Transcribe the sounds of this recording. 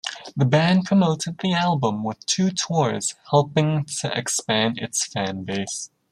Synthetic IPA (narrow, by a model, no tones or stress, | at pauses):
ðɨbæ̃npʰɹ̥əmoʊɾɨd̪̚ðiælˠbə̃mwəð̥tʰʉtʰɔɹz̥hɛlˠpɪ̃ŋtʰɨʔɨkspæ̃nɨ̰tsfæ̃nbeɪs